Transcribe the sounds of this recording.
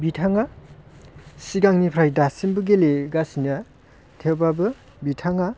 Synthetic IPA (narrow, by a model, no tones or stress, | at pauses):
bitʰaŋa | siɡaŋnipʰɾajdasimbɯɡeleɡasina | tʰewbabɯ | bitʰaŋa